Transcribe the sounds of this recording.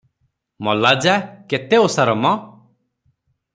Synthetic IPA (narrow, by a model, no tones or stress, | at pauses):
mɔlad͡ʒaket̪eosaɾɔmɔ